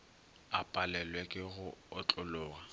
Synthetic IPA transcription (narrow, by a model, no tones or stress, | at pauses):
apʼalɛlwekʼɪɣʊɔt͡ɬʼʊlʊːɣa